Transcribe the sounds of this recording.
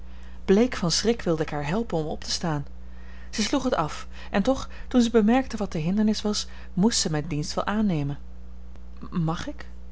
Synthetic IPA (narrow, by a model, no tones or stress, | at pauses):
b̥lejkfɑnsrɪkʋɪlˠdəɪkɦaːɹɦɛlˠpənɔmɔ̰ptə̥staːn | z̥əsluχɦətɑf | ʔɛntɔχ | tunzəbəmɛɹk̚təʋɑt̚dəɦɪndəɹnɪsʋɑs | mustsəmɛjndinstʋɛlˠʔaːnejmən | mɑχɪk